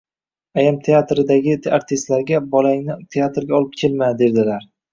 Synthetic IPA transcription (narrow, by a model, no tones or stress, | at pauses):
ajamt̪ʰe̞at̪ɾɪd̪aɡʲɪaɾt̪ʰɪst̪laɾɡʲabɒlaŋnɪt̪ʰeat̪ɾɡʲaɒlˠɪp̚kʲʰe̞lmad̪e̞ɾd̪ɪlaɾ